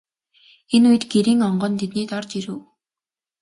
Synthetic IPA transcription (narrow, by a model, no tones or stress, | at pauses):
enujɘ̆t̪ɡeɾiːŋɔɴɢɞ̆nt̪ʰet̪niːt̪ɔrt͡ɕiɾuː